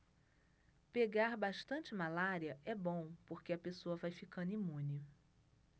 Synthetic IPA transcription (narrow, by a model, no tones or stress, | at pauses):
peɡaɾbaʃt̪ɐ̃nt͡ʃɪmalaɾiɐʔɛbõw̃poɾkeɐpesoɐvajfikɐ̃nd̪ʊimũnɪ